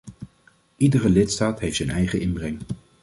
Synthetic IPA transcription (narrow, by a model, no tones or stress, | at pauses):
ʔidərəlɪtstaːtɦejftsɛnɛjχəʔɪnbrɛŋ